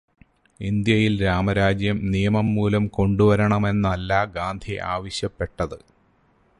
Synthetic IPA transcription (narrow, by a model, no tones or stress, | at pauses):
ind̪jɐjilɾaːmɐɾaːd͡ʑjɐmnijɐmɐmːuːlɐmko̞ɳɖuʋɐɾɐɳɐme̞nːɐlːaːɡaːnd̪ʱiʔa̰ːʋɐɕjɐpːe̞ʈːɐðɨ